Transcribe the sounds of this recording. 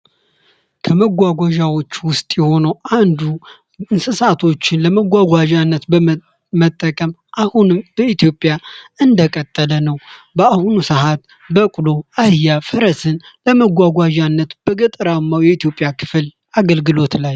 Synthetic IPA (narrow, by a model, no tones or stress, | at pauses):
kʰəməɡʷaɡʷaʒawo̞t͡ʃːwʊst̪ʼjɛho̞nəwand̪u | ɨnsɨsat̪ʰo̞t͡ʃːɪnləməɡʷaɡʷaʒanːət̪b | mət̪ʼːəkʼəmʔahunɨmb̥əit̪jo̞pʼːjaɨnd̪əkʼət̪ʼːələnəwbəahunusəhat̪ | bəkʼlo̞ahjafəɾəsɨnləməɡʷaɡʷaʒanːət̪b̥əɡɨt̪ʼɨɾamːawjɛit̪ijo̞pʼjakʰɨ̥fl | ʔaɡəlɡɨlo̞t̪laj